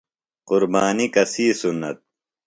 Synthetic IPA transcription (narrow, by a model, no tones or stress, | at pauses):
quɾbaːnikɐsiːsunːɐ̰t̪̚